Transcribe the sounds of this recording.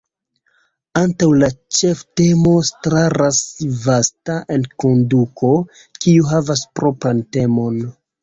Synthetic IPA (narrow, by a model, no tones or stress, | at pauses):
antawlat͡ʃe̞fte̞mo̞stɾaɾasvastaʔe̞nko̞ndukʰo̞ | kiuɦavaspɾo̞pɾante̞mo̞n